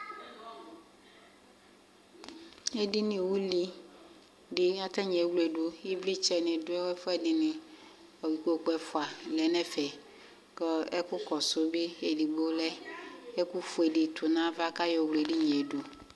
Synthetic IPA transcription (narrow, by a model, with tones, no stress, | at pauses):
e˦dɪ˦nĩ˨wu˦li˨ | ɖɪ˨a˦t̪a˦ɲɛ˨˦wle˨ɖu˨i˦vli˦t͡ʃɛ˨nɪ̃˨dʊ˦ɛ˦wɛ˦fɛ˦dɪ˨nɪ̃˨ | ɔ˨wi˨ko˨k͡pɛ˨fʊ˨a˨lɛ˨nɛ̃˦fɛ˨ | kɔ˦ɛ˦kʊ˦kɔ˨sʊ˨bɪ˦e˨li˨ɡ͡bo˦lɛ˦e˦ku˦fu˨e˨dɪ˨t̪ʰʊ˨nã˦va˦ka˦jɔ˨wle˨di˦ɲɛ̃˨e˨du˨